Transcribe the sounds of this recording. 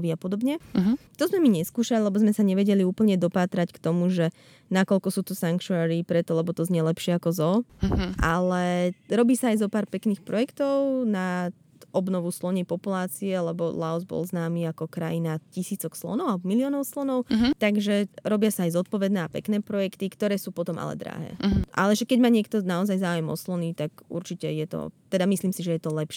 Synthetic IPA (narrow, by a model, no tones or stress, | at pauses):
ʋiapɔd̪ɔbɲɛt̪ɔzmɛmiɲɛskuːʃalilɛbɔzmɛsaɲɛʋɛɟɛliuːpl̩ɲɛd̪ɔpaːt̪ɾackt̪ɔmuʒɛ | nakɔʎkɔsuːt̪ɔsaŋkt͡ʃuaɾipɾɛt̪ɔlɛbɔt̪ɔzɲɛlɛpʃɪɛakɔzɔʔa̰lɛɾɔbiːsaːjzɔpaːɾpɛkniːxpɾɔjɛkt̪ɔʊna | ɔbnɔʋuslɔɲɛpɔpulaːt͡siɛlɛbɔ̰laɔzbɔ̰lˠznaːmiːakɔkɾajinacisiːt͡sɔkslɔ̰nɔʊalɛbɔmiliɔːnɔʊslɔnɔʊt̪aɡʒɛɾɔbɪasaajzɔt̪̚pɔʋɛd̪nɛːapɛ̰knɛːpɾɔjɛkt̪ikt̪ɔɾɛːsuːpɔt̪ɔmʔa̰lɛ̰d̪ɾa̰ɦɛ̰ːʔa̰lɛʒɛkɛɟmaːɲɪɛkt̪ɔnaɔzajzaːujɛmɔ̰slɔnit̪aɡʔṵɾt͡ʃicɛjɛt̪ɔ̰t̪ɛd̪amisliːmsiʒɛjɛt̪ɔlɛpʃɛ